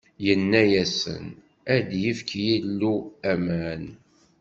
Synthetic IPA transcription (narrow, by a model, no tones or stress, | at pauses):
jənːæjæsə̰n | æd̪jifkjilːuæmæn